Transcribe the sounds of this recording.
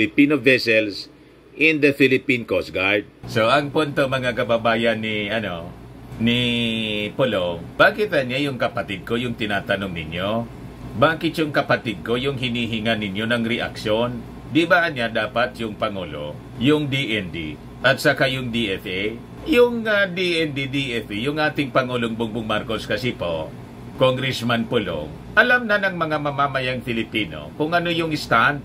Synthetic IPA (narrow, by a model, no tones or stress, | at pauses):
ɪpinovɛsɛls | ɪ̃nd̪ɐfilɪpĩnkosɡajd̪̚soʔɐŋpʊnt̪omɐŋakɐbabaːjɐnːiʔɐno̞ni | polob̥aːkɪt̪ɐnjajʊŋkɐpɐt̪ɪd̪̚ko̞jʊŋt̪ɪnaːt̪ɐnoŋnɪnjo̞ | baːkɪt̪jʊŋkɐpɐt̪ɪd̪̚ko̞jʊŋɦɪniːɦɪŋanɪnjo̞nɐŋɾɛʔa̰kʃon | d̪ibaʔɐnːad̪aːpɐt̪̚jʊŋpɐŋuːlo̞̰ | jʊŋd̪iʔɛnd̪ḭ | ʔɐt̪̚sɐkajʊŋd̪iʔɛfʔe | jʊŋad̪iʔɛnd̪id̪iʔɛfijʊŋʔaːt̪ɪŋpɐŋuːloŋbʊŋbʊŋmaɾkoskɐsipo | koŋɡɾɛsmanpʊlo̰ŋ | ʔɐlamnɐnɐŋmɐŋamɐmamɐjaŋfɪlɪpiːno̞̰kʊŋʔɐnojʊŋɪst̪ant̪